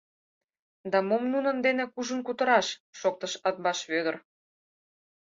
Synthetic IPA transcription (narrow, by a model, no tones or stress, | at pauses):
d̪ɑmomnunə̆nd̪enĕkuʒə̆nkut̪ə̆ɾɑʃʃok̚t̪ə̆ʃɑt̪̚bɑʃβød̪ə̆r